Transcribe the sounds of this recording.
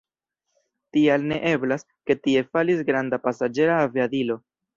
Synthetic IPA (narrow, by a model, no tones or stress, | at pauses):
tialne̞ʔe̞blas | ke̞tie̞falisɡɾandapasad͡ʒe̞ɾaːviadilo̞